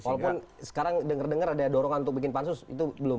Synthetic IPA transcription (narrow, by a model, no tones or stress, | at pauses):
walawpʊnsə̥kaɾaŋdəŋərdəŋəɾadadoɾɔŋanunt̪ʊk̚bikɪnpansʊsḭt̪ubəlʊm